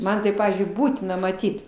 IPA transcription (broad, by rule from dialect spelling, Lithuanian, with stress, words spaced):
ˈmɐn tɐɪ ˈpɑːʋʲiːzʲd͡ʒʲʊɪ ˈbuːtʲɪnɐ mɐˈtʲiːt